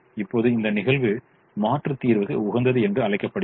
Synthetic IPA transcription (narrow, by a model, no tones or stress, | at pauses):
ɪpːoːðɯɪnd̪ɐnɪɣɐɭʋɯ | maːʈrɯt̪ːiːɾʋɯɣɐ̰ʊɣɐnd̪ɐðɯɛndrɯɐɭɐɪkːɐpːɐɽɯ